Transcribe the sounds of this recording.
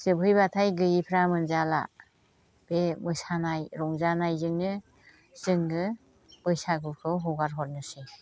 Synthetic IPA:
sɯbʰʱɯjbatʰajɡɯjipʰɾamɯnzala̰ | b̥emɯsanajɾɔŋzanajzɯŋnɯ | z̥ɯŋɡɯ | mɯjsaɡɯkʰɯwɦɔwɡaɾɦɔɾ̚nɯse

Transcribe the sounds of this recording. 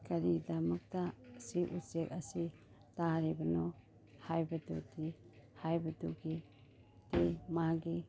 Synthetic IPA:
kaɾidɐmɐk̚tasiʔusek̚ɐsi | taɾibɐnɔ | hajbɐdṵtihajbɐduɡi | temaɡi

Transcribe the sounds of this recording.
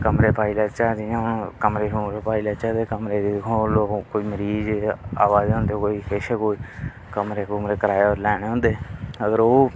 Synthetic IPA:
kəmɾeːpʰaːiːlaːt͡ʃaːd͡ʒ̪iːãːʊnkəmɾeːkumɾeːpʰaːilaːt͡ʃaːd̪eːkəmɾeːd̪ikʰõloːkoiːməɾiːd͡ʒa̰ːʋaːzɦʊ̃nd̪ekoːiːɦeːʃekoːiː | kəmɾeːkʊmɾeːkəɾaːeoːɾlɛːneːɦõːnd̪eːəɡəɾoː

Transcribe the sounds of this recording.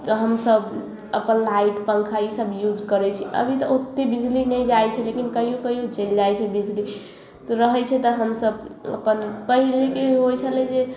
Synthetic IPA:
t̪ɔɦəmsəb | əpənlaiʈpə̃ŋkʰaisəbjud͡ʒkəɾɛt͡ʃʰi̥ə̰bʱit̪ɔot̪ːebid͡ʒlinəjd͡ʒajt͡ʃʰɛlekinkəɦijokəɦijod͡ʒeld͡ʒajt͡ʃʰɛbid͡ʒli | t̪ɔɾəɦɛt͡ʃʰɛt̪ɔɦəmsəbə̰pənpəɦilekeɦojt͡ʃʰəlɛd͡ʒe

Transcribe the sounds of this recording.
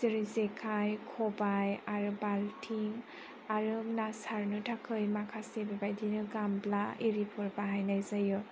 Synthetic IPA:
zɯɹizekʰajkʰɔbajaɹubaltʰiŋ | aɹunasaɹnɯtʰakʰɯjmakʰasebibajdinɯɡamblaeɹipʰɔɹbaɦajnajzajɔ

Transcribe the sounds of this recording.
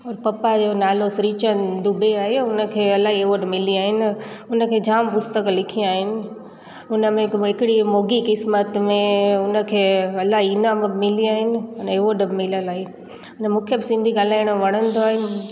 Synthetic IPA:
ɔːɾpɐpad͡ʑoːnaːlosɾiːt͡ɕənd̪ʊbeaːɦeʊnəkʰeːɐlːaːɦieʋoːɖmɪliaːɦɪnɪ̆ | ʊnə̆kʰeːd͡ʑʱaːmpʊst̪əklɪkʰĩaːɦɪnɪ̆ | ʊnəmẽɦɪkɪɽimoːɡikɪsmət̪mẽʊnə̆kʰeːɐlːaɦiinaːmbmɪliaːɦɪnɪ̆neʋoːɖəbmɪləlaːɦi | ɐnmũːkʰebɪsɪ̃nd̪ʱiɡaːlaːɪɽ̃ʋɐɽ̃ənd̪oaːɦɪnɪ̆

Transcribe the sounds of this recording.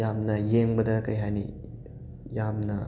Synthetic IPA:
jamnɐjeŋbɐdɐkɐjɦajnḭ | jamnɐ

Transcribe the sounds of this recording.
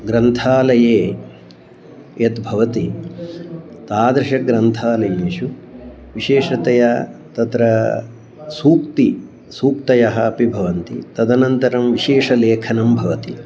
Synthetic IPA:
ɡɾɐnt̪ʰaːlɐjeː | jɐt̪bʱɐʋɐt̪i | t̪aːd̪ɾɐʃɐɡɾɐnt̪ʰaːlɐjɐniʃu | ʋiʃeːʂɐt̪ɐjɐt̪ɐt̪ɾɐ | suːkt̪i | suːk̚t̪ɐjɐɦɐːpibʱɐʋɐnt̪it̪ɐd̪ɐnɐnt̪ɐɾɐmʋiʃeːʃɐleːkʰɐnɐmbʱɐʋɐt̪i

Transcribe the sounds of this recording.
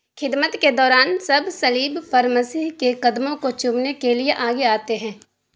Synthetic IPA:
xʰɪd̪mət̪ked̪ɔːɾaːnsɐbʱsɐliːbfɐɾmɐsiːɦkekɐd̪mõkot͡ʃumnekelieʔaːɡeaːt̪eɦɛ̃ː

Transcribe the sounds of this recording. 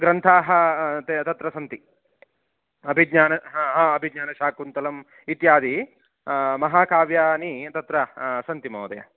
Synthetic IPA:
ɡɾɐnt̪ʰaːɦɐt̪et̪ɐt̪ɾɐsɐnt̪i | ɐbʱiɡɲaːnɐɦɦãːɐbʱiɡɲaːnɐʃaːkunt̪ɐlɐm | it̪jaːd̪i | mɐɦaːkʰaːʋjaːnit̪ɐt̪ɾɐsɐnt̪imo̰ːd̪ɐ̰jɐ̰

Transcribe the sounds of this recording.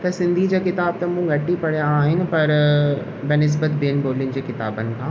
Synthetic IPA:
t̪ɐsɪ̃nd̪ʱid͡ʑaːkɪt̪aːb̚t̪ɐmũɡʱɐʈipɐɽijaːɦɪnɪ̆pɐɾ | bɐnɪs̬bət̪beːnboːljʊnd͡ʑeːkɪt̪a̰ːbənɪ̆kʰãː

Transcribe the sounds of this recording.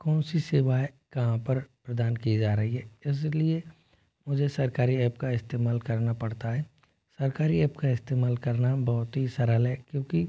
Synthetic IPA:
kɔːnsisɪʋaːe | kɐɦãpɐɾpɾɐd̪aːnkid͡ʒaːɾɐɦiɦɛːɪs̬lie | mʊd͡ʒʱesɐɾkaːɾiɛːpkaɪst̪eːmaːlkɐɾnapɐɽt̪aɦɛː | sɐɾkaːɾiɛːpkaɪst̪eːmaːlkɐɾnabɔːʊt̪ɦisɐɾəlɦɛːkjõːki

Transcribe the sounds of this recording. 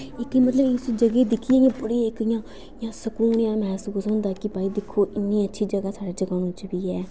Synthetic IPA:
ɪkimət̪ləbsd͡ʒəɡeːd̪ɪkʰːiɛːjãːpʊɽeːɪkjãː | jãːsəkuːɳjãːmɛːsuːsɦʊ̃nd̪aːkɪbaːiːd̪ɪkʰːoːʔɪnːĩːətːʃʰiːd͡ʒəɡaːsaːɽeːd͡ʒəɡaːnũːt͡ʃbiːɛː

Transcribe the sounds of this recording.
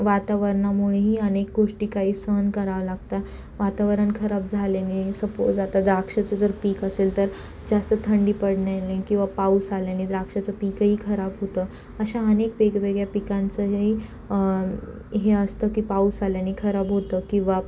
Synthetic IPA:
ʋat̪aʋəɾɳamuɭeɦiːənek̚ɡoʂʈiːkaɦiːsəənkəɾaʋəlaɡt̪a | ʋat̪aʋəɾəɳkʰəɾabd͡zʱaljanisəpod͡zat̪ad̪ɾakʂat͡səd͡zəɾpiːkəselt̪əɾ | d͡zast̪ət̪ʰəɳɖiːpəɽɳjalẽkĩw̃ʋapausaljanid̪ɾakʂat͡səpiːkəɦiːkʰəɾabɦot̪əː | əɕaənekʋeɡʋeɡɭjapikãnt͡səɦɦi | ɦeəst̪əkiːpausaljanikʰəɾabɦot̪əkĩw̃ʋa

